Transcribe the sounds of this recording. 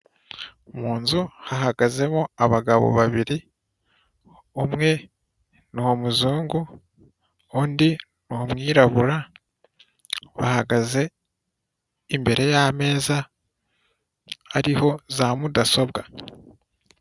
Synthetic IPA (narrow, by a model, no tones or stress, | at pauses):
muːnzuhaɦaɡaze̞moaβaɡaβo̞̰βaβiɾi | omŋe̞ | nuhomuzuːŋɡu | ondi | nuomŋiːɾaβuɾa | βa̰haɡaze̞ | imbe̞ɾʔe̞jame̞ːza | aɾiho̞zaːmudaso̞βɡa